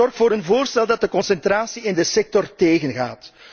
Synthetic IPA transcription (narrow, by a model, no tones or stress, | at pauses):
ɔrxtfoːɾənvoːrstɛlˠdɑt̚dəkɔnsɛntraːsiɪndəsɛk̚tɔrteːɣənɣa̰ːt